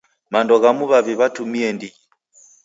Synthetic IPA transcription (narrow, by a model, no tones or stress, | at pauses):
mandɔɣamuβaβiβatumiɛndii